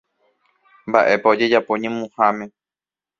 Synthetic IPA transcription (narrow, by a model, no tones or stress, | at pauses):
mba̰ʔe̞paod͡ʒe̞d͡ʒapo̞ɲẽmũhamẽ̞